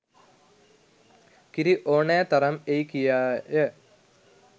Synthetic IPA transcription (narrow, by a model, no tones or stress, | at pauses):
kiɾiʔoːɳeːt̪ɐrɐmejkːijaje